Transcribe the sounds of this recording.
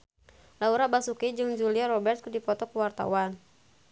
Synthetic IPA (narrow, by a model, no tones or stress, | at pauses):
lauɾabasukid͡ʒɨŋd͡ʒuliaɾɔbɛrt̪̚kudipɔt̪ɔkuwart̪a̰wan